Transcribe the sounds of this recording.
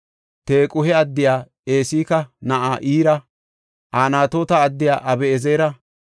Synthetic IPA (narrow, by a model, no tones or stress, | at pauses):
t̪e̞ːkʼʊhɛɐd̪ːɪjaː | eːsiːkɐnɐʔaːʔiːɾɐ | ʔaːnaːt̪oːt̪ɐːd̪ːɪja̰ːʔɐbɛːzeːɾɐ